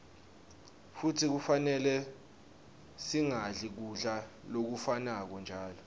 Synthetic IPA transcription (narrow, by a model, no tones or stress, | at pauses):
futʰik̬ufanɛlɛ | siŋaɮik̬uɮa | lok̬ufanak̬ɔnd͡ʒʱaːlɔ